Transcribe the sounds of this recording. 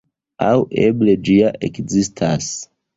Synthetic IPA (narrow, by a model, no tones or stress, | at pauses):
awʔebled͡ʒiaʔekzistʰas